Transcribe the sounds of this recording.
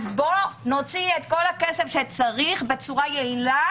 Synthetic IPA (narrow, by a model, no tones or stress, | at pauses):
zbo̞no̞t͡siet̪ko̞lhake̞se̞fʃet͡saʁiχbe̞t͡suʁajeila